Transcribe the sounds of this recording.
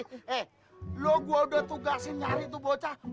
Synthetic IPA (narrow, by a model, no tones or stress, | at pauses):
ɛ | loɡuaudət̪uɡasiɲaɾit̪̬ubot͡ʃa